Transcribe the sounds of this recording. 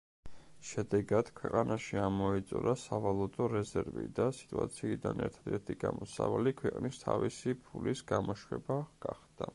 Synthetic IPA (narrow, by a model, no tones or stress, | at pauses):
ʃɛd̪ɛɡad̪̥kʰwɛqʼanaʃiamɔɛt̪sʼɔɾasavalˠɔd̪ɔɾɛzɛɾvḭd̪asi̥t̪ʼua̰t̪sʰiːd̪anɛ̰ɾt̪ʰad̪ɛɾt̪ʰiɡamɔsavalikʰwɛqʼnist̪ʰavisipʰulisɡamɔʃwɛbaɡ̥aχd̪a